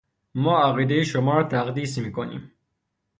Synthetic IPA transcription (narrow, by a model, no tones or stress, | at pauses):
mɒːæɣiːd̪ejeʃomɒːɾɒːt̪ʰæɣd̪iːsmiːkʰonḭːm